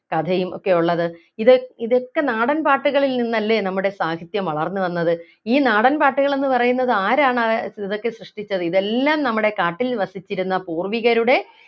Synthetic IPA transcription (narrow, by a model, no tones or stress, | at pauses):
kɐd̪ʱɐjumo̞̰kːe̞juɭːɐðɨ | iðoiðo̞kːe̞naːɽɐnpaːʈːuɣɐɭilninːɐlːe̞ːnɐmːuɽe̞saːkʰit̪jɐmʋɐɭɐrnːuʋɐnːɐðɨ | iːnaːɽɐnpaːʈːuɣɐɭe̞nːɨpɐrɐjunːɐðɨaːɾaːɳɐiðo̞kːe̞ɕrɨʂʈit͡ɕːɐðɨiðe̞lːaːmnɐmːuɽe̞kaːʈːilʋɐsit͡ɕːiɾunːɐpuːrʋiɣɐɾuɽe̞